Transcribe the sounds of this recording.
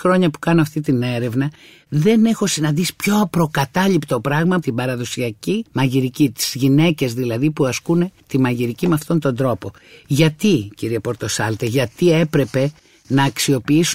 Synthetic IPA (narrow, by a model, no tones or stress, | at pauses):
ɾo̞ɲɐpu̥kɐno̞ɐft̪it̪ine̞ɾe̞vnɐ | ðe̞ne̞xo̞sinɐnd̪isi̥pço̞ɐpɾo̞kɐt̪ɐʎipt̪o̞pɾɐɣmɐt̪ibɐɾɐðo̞siɐcimɐʝiɾicit̪i̥z̥ʝine̞ce̞zðilɐðipuɐskune̞t̪imɐʝiɾicimeɐft̪o̞nt̪o̞nd̪ɾo̞po̞ | ʝɐt̪iciɾiepo̞ɾt̪o̞sɐlt̪eʝɐt̪ie̞pɾe̞pe̞ | nɐːksio̞piisu